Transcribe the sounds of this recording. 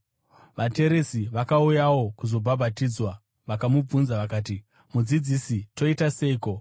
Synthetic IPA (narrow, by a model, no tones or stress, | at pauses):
ʋate̞ɾe̞siʋakaujawo̞kuzo̞bʱabʱatiːd͡zwa | ʋakamub͡vunzaʋakaːt̬i | mud͡zid͡zisito̞itase̞iko̞